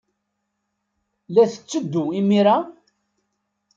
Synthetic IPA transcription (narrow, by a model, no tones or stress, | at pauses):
læθə̥t͡sːəd̪ːuimiɾa